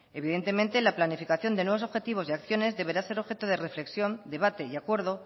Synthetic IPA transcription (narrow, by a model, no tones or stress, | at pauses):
e̞β̞iðe̞nt̪e̞ment̪e̞laplanifikaθjo̞nd̪enwe̞βo̞so̞βxe̞t̪iβ̞o̞siakθjo̞ne̞zðe̞β̞e̞ɾase̞ɾo̞βxe̞t̪oð̞e̞re̞fle̞ksjo̞nd̪e̞β̞at̪e̞iakwe̞ɾðo̞